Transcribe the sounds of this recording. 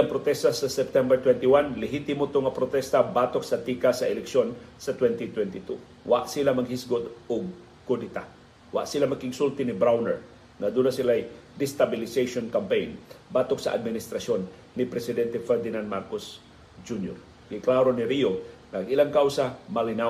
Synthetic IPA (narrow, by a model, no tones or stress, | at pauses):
aŋpɾot̪ɛst̪asɐsɛp̚t̪ɛmbɛɹt̪wɛnt̪ɪwanlɛɦit̪ɪmot̪oŋɐpɾot̪ɛst̪abaːt̪ok̚sɐt̪iːkasɐʔɛlɛkʃo̞nsɐt̪wɛnt̪ɪt̪wɛnt̪ɪt̪u | wa̰ʔsilamɐɡhisɡod̪oɡ̚ | kʊd̪ɪt̪a | wa̰ʔsɪlamɐɡkɪɡsult̪ɪnɪbɾawnɛ̰ɹ | ŋɐd̪unasɪlajd̪ɪst̪abɪlɪsejʃonkampejnbaːt̪oksɐ̰ʔa̰d̪̚mɪnɪst̪ɾɐsjo̞nː | ɪpɾɛsɪd̪ɛnt̪ɛfɛɹd̪ɪnand̪̚maɾkos | d͡ʒunjo̰ɾ | ɡɪklaɾonɪɾionɐɐɡɪlaŋkawsamɐlɪnaw